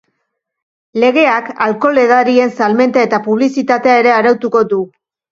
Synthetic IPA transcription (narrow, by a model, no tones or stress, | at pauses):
le̞ɣ̞e̞akalko̞le̞ðaɾie̞nsalme̞nt̪ae̞t̪apuβ̞lisit̪at̪e̞ae̞ɾe̞aɾawt̪uko̞du